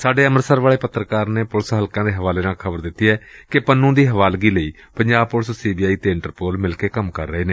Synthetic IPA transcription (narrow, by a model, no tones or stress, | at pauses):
saːɖeːəməɾsəːɾʋaːɭeːpət̪ːɾəkaːɾneːpʊlsɦəlkãːd̪eːɦəʋaːleːnãːkʰəbəɾd̪ɪt̪ːiːɛːkɪpənːũːd̪iːɦəʋaːlɡiːləiː | pəɲd͡ʒaːbpʊlssiːbiːaːiːt̪eːɪ̃ɳʈəɾpoːlmɪlkeːkəmkəɾːəɦeːneː